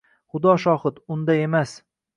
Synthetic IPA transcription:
χʊd̪ɒʃɒhɨt̪ʊnd̪ae̞mas

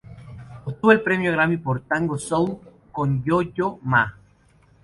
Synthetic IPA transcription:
ot̪uβoelpɾemjoɣɾamipoɾt̪aŋɡosow | konjoʎoma

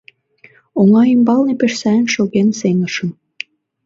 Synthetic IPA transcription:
oŋɑimbɑlnepeʃsæə̆nʃoɣenseŋəʃə̆n

